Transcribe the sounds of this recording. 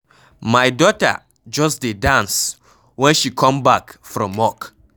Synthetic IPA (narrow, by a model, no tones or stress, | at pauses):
majdɔta̰ | d͡ʒɔsdedãns | wɛ̃nʃikʰɔ̃mbakfɹɔ̃mɔk